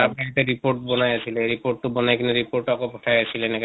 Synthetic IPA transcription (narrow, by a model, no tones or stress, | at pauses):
apait̪eɾipoɾʈbɔnajasʰileeɾipoʈːubɔnajkinoɾipoɾʈɔkopɦɔʈʰajasʰilenek